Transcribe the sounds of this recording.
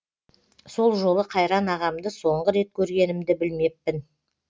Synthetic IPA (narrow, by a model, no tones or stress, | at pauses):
so̞lˠʒo̞lˠəqʰɑjɾɑnɑʁɑmd̪əso̞ɴʁəɾe̞t̪̚kʲʰɵɾɡʲe̞nɪmd̪ɪbɪlme̞pːɪn